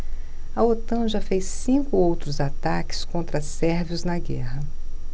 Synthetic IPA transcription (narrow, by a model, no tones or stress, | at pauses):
ɐot̪ɐ̃ʒɐfejsːĩkʊowt̪ɾʊzat̪akɪ̥skõnt̪ɾɐsɛɾviʊznɐɡɛɦɐ